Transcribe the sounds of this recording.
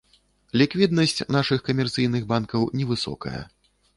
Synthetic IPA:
lʲikvʲid̪nɐsʲt͡sʲnaʂɨxkɐmʲɛrt̪sɨjnɨɣbankɐwnʲɛvɨsɔ̰kɐ̰jɐ̰

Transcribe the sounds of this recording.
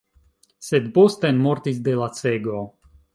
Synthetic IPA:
sɛd̪bɔst̪ɛnmɔɾt̪isd̪ɛlat̪sɛɡoː

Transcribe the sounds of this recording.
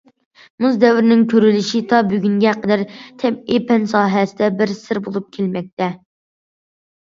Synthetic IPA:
muzd̪ɛwɾɪnɪŋkʲʰøɾylɪʃit̪ʰɑbyɡʲyŋɡʲɛqəd̪æɾt̪ʰɛpepʰɛnsɑːɦɛsɪd̪ɛbɪɾsɪɾbolˠup̚kʲʰelmɛk̚ʲt̪ʰɛ

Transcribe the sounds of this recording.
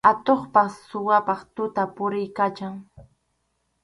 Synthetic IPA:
at̪oχpasːʊwapɑχt̪ʊt̪apʊɾɪjkat͡ʃaŋ

